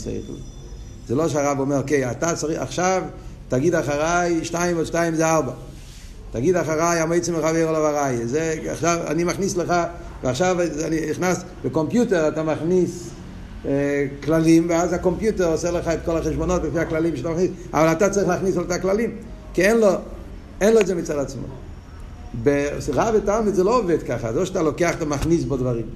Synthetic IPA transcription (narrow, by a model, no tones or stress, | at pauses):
sḛtl̰ | z̥eloʃeaʁabomeʁokejatat͡saʁia̰χʃavtaɡidaχaʁajʃtajimoʃtajimzeaʁba | taɡidaχaʁajamojt͡simeχavejʁolavaʁajezea̰χʃava̰nimaχnisləχa | veaχʃavaniniχnas | bəkompjuteʁatamaχnis | klalimveazakompjuteʁoseləχaɛtkolaχɛʃbonot̚befiaklalimʃatamaχnisʔa̰valatat͡sʁiχlaχnisoltaklalim | kiɛnlo | ɛnloedzemit͡sadat͡smo̰ | beʁabetalmidzɛloːvɛdkaχa̰zloʃatalokeaχatamaχnis̬bodvaʁim